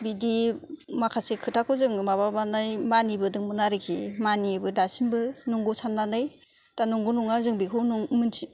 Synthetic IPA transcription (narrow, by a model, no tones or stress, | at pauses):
bidimakʰasekʰɯtʰakʰɯzɯŋmababanajmanibɯdɯŋmɯnaɾɯkʰḭmanibɯdasimbɯnɔŋɡɔsʰanːanɯj | tanuŋɡunuŋazɯŋbikʰɯwnuŋmɯntʰi